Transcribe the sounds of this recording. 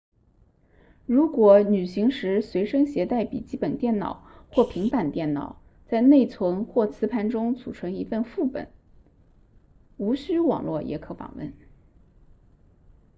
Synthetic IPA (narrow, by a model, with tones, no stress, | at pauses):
ɻu˧˥kwɔ˨˧˩ny˨˩ɕi˧˥ŋʂɻ̩˧˥swe˧˥ɪʂɤ˥ŋɕjɛ˧˥t̪a˥˩ɪpḭ˨˩t͡ɕi˥pə˨˩nt̪jɛ˥˩nnɑ̰˨˩˦ʊxwɔ˥˩pʰi˧˥ŋpa˨˩nt̪jɛ˥˩nnɑ̰˨˩˦ʊ | t͡sa˥˧ɪne˥˩ɪt͡sʰwə˧˥ŋxwɔ˥˩t͡sʰɹ̩˥pʰa˥˩nʈ͡ʂʊ˥ŋt͡sʰu˨˩ʈ͡ʂʰɤ˧˥ŋi˧˥fə˥˧nfu˥˩pə̰˨˩˦n | u˧˥ɕy˥wɑ̰˨˩ŋlwɔ˥˩jɛ̰˧˥kʰɤ˧˥fɑ̰˨˩ŋwə̰˥˩n